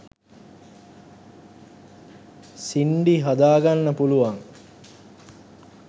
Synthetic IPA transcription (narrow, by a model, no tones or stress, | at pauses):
siɳɖiɦad̪aːɡanːəpuluʋaŋ